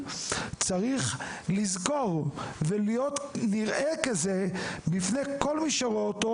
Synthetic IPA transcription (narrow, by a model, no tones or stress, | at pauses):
t͡saʁiχlizɡoʁvelijot̪niʁʔekazebifnekolmiʃaʁoot̪o